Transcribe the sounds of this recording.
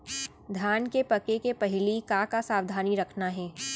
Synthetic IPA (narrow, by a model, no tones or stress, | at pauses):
d̪ʱjaːnkepɐkekepɐɦɪlikãkasaːʋd̪ʱaːniɾɐkʰnaɦɛː